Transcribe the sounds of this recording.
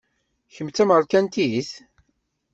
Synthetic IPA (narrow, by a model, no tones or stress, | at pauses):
çəmt͡sːæməɾˤkænt̪iθ